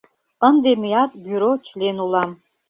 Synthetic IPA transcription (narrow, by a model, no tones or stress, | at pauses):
ənd̪emejat̪bjuɾot͡ʃʰlenulˠam